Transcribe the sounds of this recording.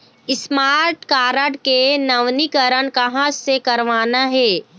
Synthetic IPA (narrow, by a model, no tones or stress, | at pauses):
ɪsmaːɾʈkaːɾəʈkenɐʋnikəɾəɳkɐɦãsekɐɾʋaːnaɦɛː